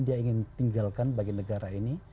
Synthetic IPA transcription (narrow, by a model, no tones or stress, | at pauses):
diaiŋɪnt̪iŋɡalkanbaɡinəɡaɾaini